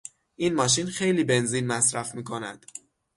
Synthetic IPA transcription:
ʔiːnmɒːʃ̬inxejliːbe̞nziːnmæsɾæfmiːkʰo̞næ̰d̪̥

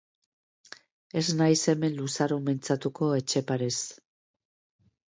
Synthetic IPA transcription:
e̞snajse̞me̞nlusaɾument͡sat̪uko̞e̞t͡ʃe̞paɾes

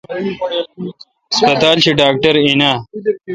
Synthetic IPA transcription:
spɐt̪aːlɕiɖaːk̚ʈɐɾinaː

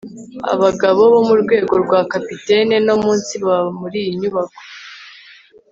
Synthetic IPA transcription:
a̰βaɡaβo̞βo̞muɾɡwe̞ːɡo̞ɾɡwaːkapiteneno̞muːnsiβamuɾiːjiɲuβako

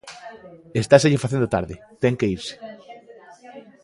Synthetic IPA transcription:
est̪as̬eʎɪfaθẽnd̪ot̪a̰ɾðɪt̪ɛŋkeiɾse̥

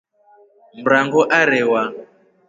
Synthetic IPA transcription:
m̩ɾaŋɡɔʔaɾɛwa

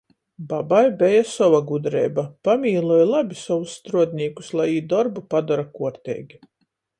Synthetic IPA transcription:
babajbɛjasɔvaɡud̪ɾɛ̰ːbapamʲiːlˠuɔjlˠabʲisɔwusːt̪ɾuɔd̪ʲnʲiːku̥slˠajiːd̪ɔɾbupad̪ɔɾakuɔɾt̪ʲɛ̰ːɡʲi

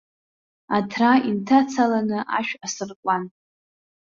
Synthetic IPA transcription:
atʰraintʰat͡sʰalanɨʔa̰ʃᶣasɨrkʷʼan

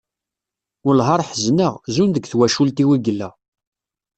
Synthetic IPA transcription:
ʊlɦɑɾˤħəznəʁzunðəɡθwæʃult̪iwiɡəlːæ

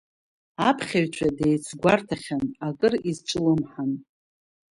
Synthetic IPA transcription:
apʰχʲaɥt͡ʃʷʰadejt͡sʰɡʷartʰaχʲanakʼɨrizt͡ʃʷʼɨlɨmħan

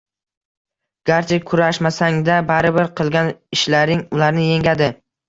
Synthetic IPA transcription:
ɡ̥aɾt͡ʃʰɪkʰʊɾaʃmasaŋd̪abaɾɪbɪɾqʰɨlˠɡʲanɪʃlaɾɪŋʊlaɾnɪje̞ŋɡʲad̪ɪ

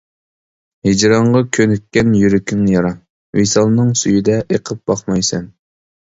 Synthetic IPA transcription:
hed͡ʒɾɑɴʁɑkʲʰønyk̪̚ʲkʲːɛnjyɾykʲɪŋjɑɾɑŋ | wisɑlˠnɨŋsyjid̪ɛʔeqʰəp̚b̥ɑχmɑjsɛn

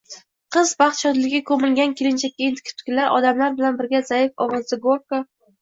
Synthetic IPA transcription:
qʰɨzbɑχt̪ʃɒd̪lɪɡʲɪkʰɵmɪŋɡʲankʲelɪnt͡ʃʰak̚ʲːiint̪ʰɪ̥kʲʰɪ̥t̪ʰkʲɪlaɾɒ̰d̪amlaɾbɪlanbɪɾɡʲazaɪfɒwɒzɪɡoɾka

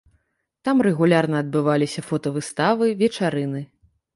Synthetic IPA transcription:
t̪amrɛɣulʲarnɐːd̪̚bɨvalʲisʲɐfɔt̪ɐvɨst̪avɨvʲɛt͡ʂaɾɨnɨ

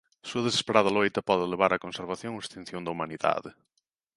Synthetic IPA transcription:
suɐðese̥speɾað̞ɐlojt̪ɐpɔðeleβaɾɐkonseɾβaθjõŋoest̪ĩn̟θjõnd̪ɐumaniða̰ðɪ

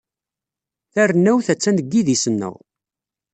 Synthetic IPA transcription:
θærənːæwθæt͡sːænəɡːiðisənːə̰ʁ

